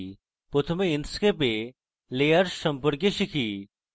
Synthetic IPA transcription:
pʊt̪ʰmeɪnskep̬e | leːəɾʃɐmpʊɾkeʃikʰiː

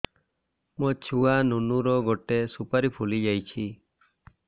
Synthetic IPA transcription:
mɔt͡ʃʰuwanunuɾɔɡɔʈesupaɾipʰulid͡ʒajt͡ʃʰi

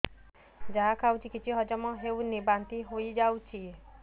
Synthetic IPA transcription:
d͡ʒaɦakʰawt͡ʃʰikit͡ʃʰiɦɔd͡ʒɔmɔɦewnibant̪iɦojd͡ʒawt͡ʃʰi

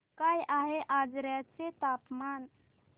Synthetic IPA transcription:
kajʔaɦeʔad͡ʒɾjat͡set̪apman

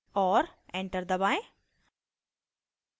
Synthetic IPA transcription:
ɔːɾẽɳʈəɾd̪əbaːɪ

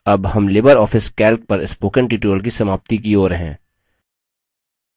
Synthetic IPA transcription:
ɐbhɐmlɪbəɾɔːfɪskɛːlk̚pɐɾɪspoːkə̃ɳʈiːʈuəlk̬isɐmaːp̚t̪ikioːɾɦɛ̰̃ː

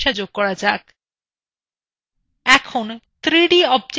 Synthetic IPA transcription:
ʃad͡ʑoɡ̚kɔɾad͡ʑak | ɛkʰont̪ɾiɖiɔb̚d͡ʑ

